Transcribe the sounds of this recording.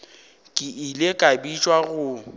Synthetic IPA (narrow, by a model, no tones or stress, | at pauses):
kʼɪʔilekʼabit͡ʃʼwaɣʊ